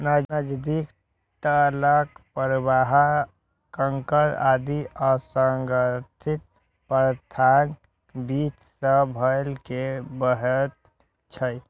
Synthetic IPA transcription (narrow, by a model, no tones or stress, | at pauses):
nənəd͡ʒd̪ik | t̪ələkpəɾbaɦa | kəŋkəɾad̪iəsəŋɡət̪ʰit̪̚ | pɾt̪ʰan | bit͡ʃsəbʱəjlkebəɦət̪ | t͡ʃʰəj